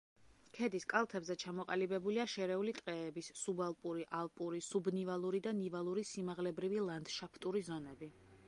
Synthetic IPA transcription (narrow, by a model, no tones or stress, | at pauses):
kʰɛd̪iskʼalˠt̪ʰɛbzɛt͡ʃʰamɔqʼalibɛbuliaʃɛɾɛulit̪ʼqʼɛːbissubalˠpʼuɾiʔalˠpʼuɾisubnivalˠuɾid̪anivalˠuɾisimaʁlɛbɾivilˠand̪̥ʃapʰt̪ʼuɾizɔnɛbi